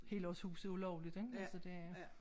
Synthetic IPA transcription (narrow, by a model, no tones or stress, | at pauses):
he̝̰ːlɒ̽shṵːsð̩ˠulɒʊlid̥eŋælsɒ̽d̥e̝æ